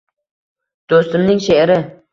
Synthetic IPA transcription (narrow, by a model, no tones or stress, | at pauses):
d̪̥ost̪ɪmnɪŋʃeɾɪ